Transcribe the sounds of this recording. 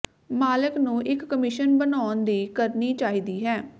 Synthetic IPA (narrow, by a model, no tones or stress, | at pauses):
maːlɪknũːʔɪkːəmɪʃənbənaːnd̪iːkəɾniːt͡ʃaːɦiːd̪iːɦɛː